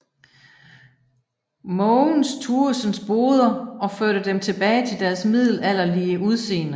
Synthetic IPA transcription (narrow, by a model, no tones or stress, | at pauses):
mɔːŋn̩st͡sʰuːɐsənsb̥o̝ːð̞ˠɐɒ̽føɐɾ̥əd̥emt͡sʰe̝b̥ɛːɪt͡sʰe̝ld̥æɐsmið̞̰ˠl̩æl̰ɐliːəuð̞ˠse̝̰ːnə